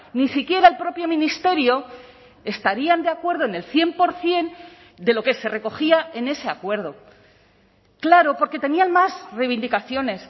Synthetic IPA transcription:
nisikje̞ɾaelpɾo̞pjo̞mĩnist̪e̞ɾjo̞ | e̞st̪aɾiand̪eakwe̞ɾð̞oene̞lθje̞mpo̞ɾθje̞n | d̪e̞lo̞ke̞se̞re̞ko̞xiae̞ne̞se̞akwe̞ɾð̞o̞ | klaɾo̞po̞ɾke̞t̪e̞nianmasreβ̞ind̪ikaθjo̞ne̞s

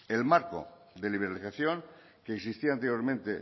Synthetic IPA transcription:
e̞lmaɾko̞̰ | d̪e̞liβ̞e̞ɾaliθaθjo̞ŋ | keːksist̪iant̪eɾjo̞ɾmẽnt̪e̞

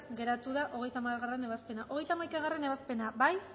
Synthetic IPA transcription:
ɡe̞ɾat̪uðaʔo̞ɣe̞jt̪amaɣare̞ne̞βaspe̞naʔo̞ɣ̞e̞jt̪amajkaɣ̞are̞ne̞βaspe̞nabaj

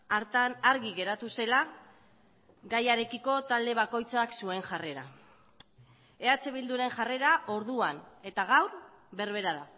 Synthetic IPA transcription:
aːɾɣiɣe̞ɾat̪use̞la | ɡajaɾe̞kiko̞t̪ald̪e̞β̞ako̞jt͡saksue̞nʝare̞ɾa̰ | e̞at͡se̞βild̪uɾe̞ŋʝare̞ɾaʔo̞ɾðuane̞t̪aɣ̞awɾ | βe̞ɾβ̞e̞ɾaða

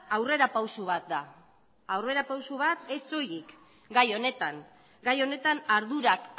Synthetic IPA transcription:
awre̞ɾapawsuβ̞at̪̚d̪a | awre̞ɾapawsuβat̪e̞so̞jik | ɡajo̞ne̞t̪aŋ | ɡajo̞ne̞t̪anaɾð̞uɾak

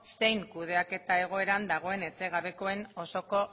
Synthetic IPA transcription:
se̞jŋkuð̞e̞ake̞t̪ae̞ɣ̞o̞e̞ɾand̪aɣ̞o̞e̞ne̞t͡se̞ɣ̞aβe̞ko̞e̞no̞so̞ko̞

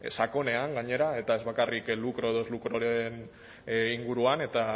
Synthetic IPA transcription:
sako̞ne̞aŋɡaɲe̞ɾae̞t̪ae̞zβakariklukɾo̞eðozlukɾoɾen | iŋɡuɾuane̞t̪a

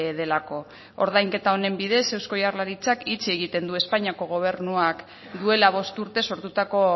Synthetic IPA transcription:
ðe̞lako̞ | o̰ɾð̞ajŋke̞t̪ao̞ne̞mbiðe̞se̞wsko̞jarlaɾit͡sakit͡sie̞ɣ̞it̪e̞nd̪ue̞spaɲiako̞ɣ̞o̞β̞e̞ɾnuak | d̪ue̞laβ̞o̞st̪uɾt̪e̞so̞ɾt̪ut̪ako̞

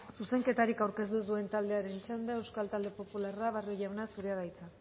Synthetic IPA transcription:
suse̞ŋke̞t̪aɾikawɾke̞s̬t̪usue̞nt̪ald̪e̞aɾe̞nt͡ʃend̪ee̞wskalt̪ald̪e̞po̞pularaβarjoʝawnasuɾeaðajt͡sa

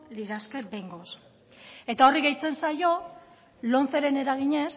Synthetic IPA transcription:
liɾaskebeŋɡo̞s | e̞t̪ao̞riɣejt͡se̞nsajo̞ | lo̞nθeɾe̞ne̞ɾaɣ̞iɲe̞s

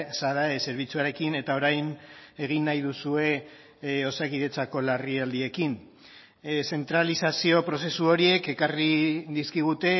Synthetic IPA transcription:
saðaese̞ɾβ̞it͡suaɾe̞kine̞t̪ao̞ɾajne̞ɣ̞inːajðusue̞ | o̞sakiðe̞t͡sako̞lariald̪ie̞kin | se̞nt̪ɾalisasio̞pɾo̞se̞suo̞ɾie̞ke̞kariðiskiɣ̞ut̪e̞

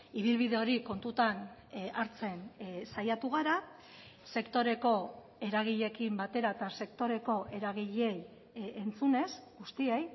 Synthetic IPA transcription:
iβ̞ilβ̞iðe̞o̞ɾiko̞nt̪ut̪anaɾt͡se̞nsajat̪uɣ̞aɾa | se̞kt̪o̞ɾe̞ko̞ | e̞ɾaɣ̞iʎe̞kimbat̪e̞ɾat̪ase̞kt̪o̞ɾe̞ko̞ʔe̞ɾaɣ̞iʎe̞j | ent͡sune̞sɡust̪iej

